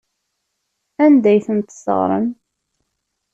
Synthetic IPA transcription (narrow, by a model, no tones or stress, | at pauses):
ænd̪æjθənt̪ə̥sə̰ʁɾˤə̰m